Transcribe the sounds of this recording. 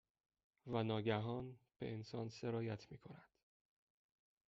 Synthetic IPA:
vænɒːɡæɦɒːnb̥e̞̰ʔensɒːnse̞ɾɒːjæt̪ʰmiːkʰo̞nænd̪̥

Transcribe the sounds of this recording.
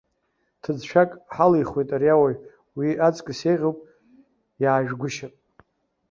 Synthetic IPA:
tʰɨd͡zʃʷʰakʼħalijχwejtʼaɾiawaj | wiat͡sʼkʼɨsejʁʲowpʼ | jaːʒᶣɡʷʊʃapʼ

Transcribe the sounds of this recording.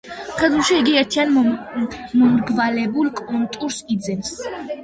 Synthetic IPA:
χɛd̪ulˠʃiiɡiɛɾt̪ʰian | mɔmɾɡvalɛbulˠkʼɔnt̪ʼuɾsid̪zɛns

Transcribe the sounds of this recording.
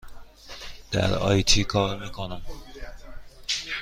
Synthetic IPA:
d̪̥æ̰ɾɒ̰ːjt̪ʰiːkʰɒːɾmiːkʰonæm

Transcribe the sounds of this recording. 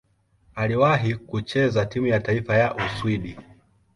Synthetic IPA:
aliwaɦikut͡ʃɛzatimujataifajaʔuswiɗi

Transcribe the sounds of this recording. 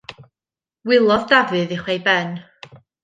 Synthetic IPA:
wɪlˠɔðdavɨðɪχwejbɛn

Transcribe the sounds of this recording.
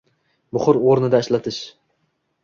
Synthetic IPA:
bʊχʊɾoɾnɪd̪aɪʃlat̪ʰɪʃ

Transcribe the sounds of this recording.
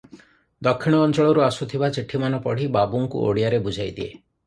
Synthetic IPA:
d̪ɔkʰːiɽ̃ɔːnt͡ʃɔɭɔɾuasut̪ʰibat͡ʃiʈʰimanɔpɔɽ̤ibabuŋkṵo̰ɽijaɾebud͡ʒʱajd̪ie

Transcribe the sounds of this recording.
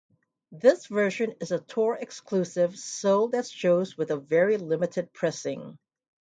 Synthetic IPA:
ðɪsvɜ˞ʒɨ̃nɨzətʰɔɹɨkskʰlʉsɪv̥soʊlˠðɨtʃoʊzwɨðəvɛɹilɪmɨɾɨd̚pʰɹ̥ɛsɪ̃ŋ

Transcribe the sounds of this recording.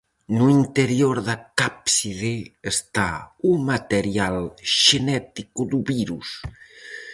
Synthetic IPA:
nuint̪eɾjoɾðakapsiðeest̪aumat̪eɾjalʃenɛt̪ikud̪uβiɾus

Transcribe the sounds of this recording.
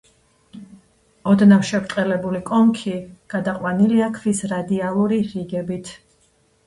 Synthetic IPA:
ɔd̪nafʃɛvt̪ʼqʼɛlɛbulikʼɔŋkʰiɡ̥ad̪aqʼwaniliakʰvisɾad̪ialˠuɾiɾiɡɛbit̪ʰ

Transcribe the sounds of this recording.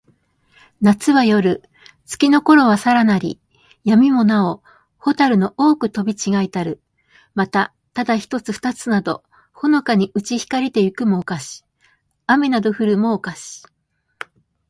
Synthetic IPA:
nat͡sɨβajo̞ɾɯ̟ | t͡sɨ̥kʲino̞ko̞ɾo̞βasaɾanaɾʲḭ | jamʲimo̞nao̞ | ho̞t̪aɾɯ̟no̞ʔo̞ːkɯ̟t̪o̞bʲit͡ɕiɡait̪aɾɯ̟ | mat̪a | t̪ad̪açi̥t̪o̞t͡sɨɸɯ̥t̪at͡sɨnad̪o̞̰ | ho̞no̞kaɲ̟iɯ̟t͡ɕiçi̥kaɾʲit̪e̞jɯ̟kɯ̟mo̞ːkaɕi̥ | ame̞nad̪o̞ɸɯ̟ɾɯ̟mo̞ːkaɕi̥

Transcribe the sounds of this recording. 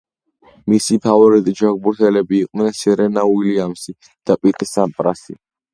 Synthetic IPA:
misipʰavɔɾit̪ʼid͡ʒaɡ̚buɾt̪ʰɛlɛbiːqʼvnɛnsɛɾɛnauiliamsi | d̪̥apʼit̪ʼisampʼɾasḭ

